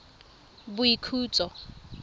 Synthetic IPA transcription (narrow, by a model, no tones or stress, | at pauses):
buikʰuːt͡sʼɔ